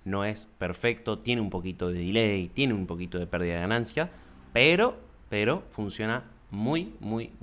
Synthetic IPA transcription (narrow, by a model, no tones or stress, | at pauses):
no̞e̞speɾfek̚t̪o̞t̪je̞neumpo̞kit̪oðeðileit̪je̞neumpo̞kit̪o̞ðe̞pɛɾðiðaðeɣanãnsja | peɾo̞ | peɾo̞funsjo̞na | mujmuj